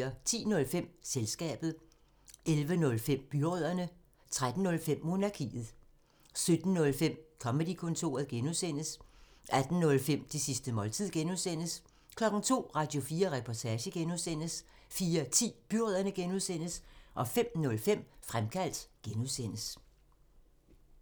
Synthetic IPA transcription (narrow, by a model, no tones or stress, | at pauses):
ɐt͡sʰḭːnɔ̽lfem̰selsɡ̥ɛ̰ːb̥ð̩ˠ | ʔelʋənɔ̽lfem̰b̥yʁœð̰ˠɐnə | t͡sʰʁad̥n̩ːɔ̽lfem̰ːo̝nɑ̈kʰḭːð̞̩ˠ | sød̥n̩nɔ̽lfem̰kʰɒ̽med̥ikʰɔ̽nt͡sʰo̝̰ːɐðˠɡ̥enuðˠsen̰əs | ʔæd̥n̩nɔ̽lfem̰d̥isisd̥əmɒ̽lt͡sʰið̰ˠɡ̥enusen̰əs | kʰlɒ̽ɡ̥n̩t͡sʰo̝̰ːʁɑ̈ːd̥jo̝fiːɐʁɛpʰɒt͡sʰɛːɕəɡ̥enuðˠsen̰əsfiːɐt͡sʰḭːb̥yʁœð̰ˠɐnəɡ̥enuðˠsen̰əsʔɒ̽fem̰nɔ̽lfem̰fʁamkʰæl̰d̥ɡ̥enuðˠsen̰əs